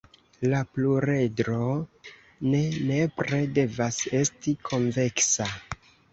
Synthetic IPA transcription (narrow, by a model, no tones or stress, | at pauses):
lapluɾe̞dɾo | ne̞ne̞pɾe̞de̞vase̞stikʰo̞ɱve̞ksa